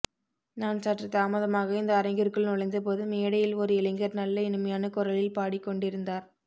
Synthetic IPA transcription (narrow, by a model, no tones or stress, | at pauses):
naːnsaʈrɐt̪ːaːmɐðɐmaːɣɐɪnd̪ɐːɾɐɪŋɡɪɾkːɯɭnɔɭɐɪnd̪ɐp̬oːðɯmeːɽɐjɪlɔɾɯɪlɐŋɡɐɾnɐlːɐɪnɯmɐjaːnɐkʊɾɐlɪlpaːɽɪkːɔɳɖɪɾɯnd̪aːɾ